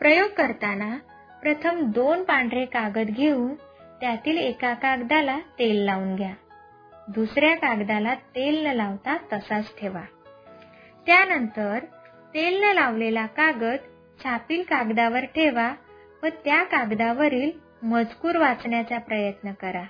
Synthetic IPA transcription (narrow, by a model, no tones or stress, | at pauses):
pɾəjoɡ̚kəɾt̪ana | pɾət̪ʰəmd̪onpãɳɖɾekaɡət̪ɡʱeuːn | t̪jat̪iːlekakaɡd̪alat̪elːauːnɡʱja | d̪usɾjakaɡd̪alat̪elnəlaʋt̪at̪əsat͡sʈʰeʋa | t̪janənt̪əɾ | t̪elnəlaʋlelakaɡət̪ | t͡ɕʰapiːlkaɡd̪aʋəɾʈʰeʋa | ʋət̪jakaɡd̪aʋəɾiːl | məd͡zkuːɾʋat͡sɳjat͡sapɾəjət̪nəkəɾa